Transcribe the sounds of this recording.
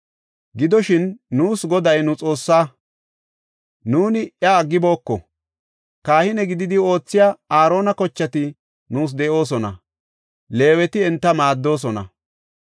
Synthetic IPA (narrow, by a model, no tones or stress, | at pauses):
ɡɪd̪ɔʃɪnːuːsɡɔd̪ɐjnʊt͡sʼo̞ːsːaː | nuːnɪjɐːɡːɪbo̞ːkːɔ̰ | kaːhɪnɛɡɪd̪ɪd̪ɪo̞ːt͡sːɪjaːaːɾo̞ːnɐkɔt͡ʃːɐt̪ɪ | nuːs̬d̪ɛʔo̞ːs̬ɔnɐ̰ | le̞ːwɛt̪ɪɛnt̪ːɐmaːd̪ːo̞ːs̬ɔnɐ̰